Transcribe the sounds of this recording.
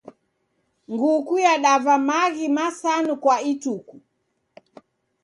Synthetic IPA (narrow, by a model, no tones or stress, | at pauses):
ŋɡukujaɗavamaɣimasanukwaituku